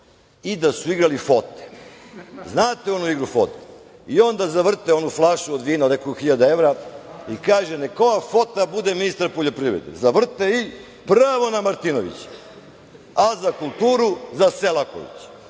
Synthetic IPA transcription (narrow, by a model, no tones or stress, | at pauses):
id̪asuiɡɾalifo̞t̪e̥ | znaːt̪eo̞nuiɡɾufo̰t̪e̥ | io̞nd̪azaʋr̩t̪eo̞nuflˠaʃuod̪ʋiːnaod̪nekoɡxiʎad̪aeʋɾaikaːʒeneko̞jafo̞t̪abud̪eminist̪aɾpoʎo̞pɾiːʋɾed̪ḛzaʋr̩t̪ei | pɾaʋo̞namaɾt̪inoʋḭt͡ɕ | azakulˠt̪uːɾuzaselˠako̰ḭt͡ɕ